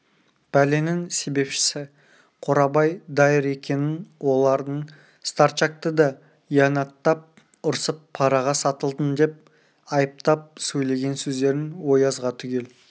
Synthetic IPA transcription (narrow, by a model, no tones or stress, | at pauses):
b̥æle̞nɪŋse̞be̞pʃɪ̥sɪ | qʰoɾɑbɑjd̪ɑjəɾe̞kʲe̞nɪnwo̞lˠɑɾd̪əɴ | st̪ɑɾt͡ʃɑk̚t̪əd̪ɑ | jɑnɑt̪ːɑp̚ | ʊɾsəpʰːɑɾɑʁɑsɑt̪əlˠd̪ənd̪e̞p̚ | ɑjəp̚t̪ɑp̚sɵjle̞ɡʲe̞nsɵzd̪e̞ɾɪnwo̞jɑzʁɑt̪ʰʏɡʲe̞l